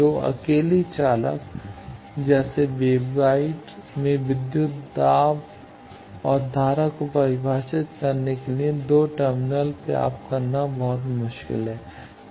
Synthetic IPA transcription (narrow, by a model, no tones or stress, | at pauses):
oːɐ̰keːlit͡ʃaːlə̰k | d͡ʒɛːseʋeːbɡaːɪʈmẽʋɪd̪jʊt̪d̪aːb | ɔːɾd̪ʱaːɾakopɐɾɪbʱaːʃɪt̪kɐɾnekelied̪oːʈəɾmɪnəlpḛa̰ːp̚kɐɾnabɔɦʊt̪mʊʃkɪ̰lɦɛː